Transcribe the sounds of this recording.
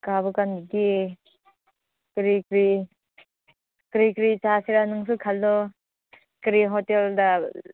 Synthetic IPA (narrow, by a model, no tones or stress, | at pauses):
kabɯkanɡi | kɾikɾi | kɾikɾit͡ʃasiɾanɯŋs̬ukʰaldɔ | kɾiɦɔtelda